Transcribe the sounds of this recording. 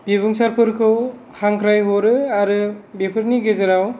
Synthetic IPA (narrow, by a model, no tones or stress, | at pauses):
bebɯŋsaɾpʰɯɾkʰɯw | haŋkʰɾajɦɔɾɯaɾɯbepʰɯɾniɡezaɾaw